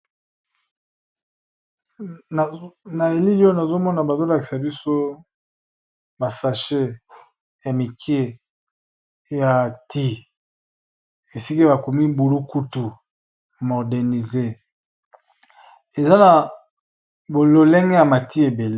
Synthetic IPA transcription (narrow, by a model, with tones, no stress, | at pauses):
na˨e˨li˦li˦o˦na˨zo˦mɔ˦na˨ba˨zo˦la˨ki̥˨sa˨bi˦so˦ | ma˨sa˨ʃe˦ | ja˨mi˨kʰi˦e˦ | ja˨ti˦ | e˨si˦kba˨ku˨mi˦bu˨lu˦ku˦tu˨ | mo˨dɛ˨ni˨ze˦ | e˨za˦na˨ | bo˨lo˨le˦ŋɡe˦ja˨ma˨ti˦e˨be˨le˦